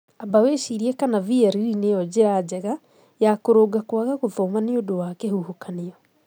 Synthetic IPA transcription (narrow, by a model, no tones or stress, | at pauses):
abaweʃiɾiɛkanaviɛɾiɾinejɔd͡ʑeɾad͡ʑɛɣa | jakoɾoɡakwaɣaɣovomaneodowakɛhuhokaniɔ